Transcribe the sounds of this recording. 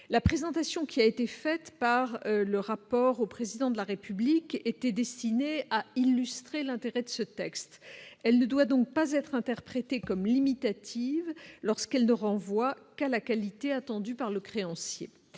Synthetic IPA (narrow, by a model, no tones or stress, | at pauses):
lapχezɑ̃t̪asjɔ̃kʲʰiaet̪efɛt̪paʁləʁapɔʁopχezid̪ɑ̃d̪əlaʁepybliket̪ɛd̪ɛst̪ineailːyst̪χelɛ̃t̪eʁɛd̪əsət̪ɛkst̪ɛlnəd̪wad̪ɔ̃k̚pazɛt̪χɛ̃t̪ɛʁpχet̪ekɔmlimit̪at̪ʰivlɔʁskɛlnəʁɑ̃vwakalakalit̪eat̪ɑ̃d̪ypaʁləkχeɑ̃sjḛ